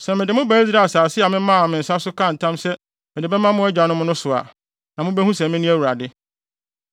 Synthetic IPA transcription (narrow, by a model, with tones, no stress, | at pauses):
sɛ˨mɪ̃˨dɪ˨mʊ̃˦bæ˦zɾa˦˨saː˨sɪ˦a˨mɪ̃˦mã˦˨mɪ̃˨n̩˨sa˦sʊ˦kʰã˦˨n̩˨tʰã˦msɛ˦ | mɪ̃˨dɪ˨bɛ˦mã˦mʊ̃˦ɛ˦d͡ʑᶣa˨nʊ̃˦mʊ̃˦nʊ̃˦sʊ˨a̰˨ | nã˨mʊ̃˦bɛ˦hũ˦sɛ̃˨mɪ̃˦nʊ̃˦æ˦wu˨ɾa˨dɪ˦